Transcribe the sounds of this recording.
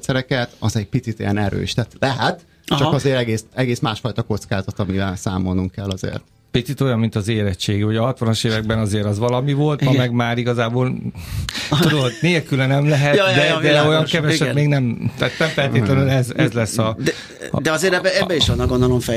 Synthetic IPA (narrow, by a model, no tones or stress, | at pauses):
t̪sɛɾɛkɛt̪ɒzɛɟ̚pit̪sit̪ejɛ̰nɛɾø̰ːʃt̪aːt̪lɛɦɛt̪ | t͡ʃɒkɒzeːɾɛɡeːsɛɡeːsmaːʃfɒjt̪ɒko̞t̪skaːzɒt̪ɒmivɛlsa̰ːmo̞lnuŋkkɛlːɒzḛːrt̪ | pit̪sit̪o̞jɒmmint̪ɒzeːɾɛt͡ʃːeːɡyoɟɒɦɒt̪ʋɒnoʃeːvɛɡ̚bɛnɒzeːɾɒzʋɒlɒmivo̞lt̪mɒmɛɡmaːɾiɡɒzaːboːl | t̪ud̪oodneːlkylɛnɛmlɛɦɛt̪jd̪ɛd̪ɛo̞jɒŋkɛvɛʃɛt̪meːɡnɛmt̪aːt̪nɛmfɛlteːlɛnylɛzɛzlɛsːɒdɛ | d̪ɛɒzeːɾɛbːɛɛbːɛiʃɔnːɒɡond̪olomfɛ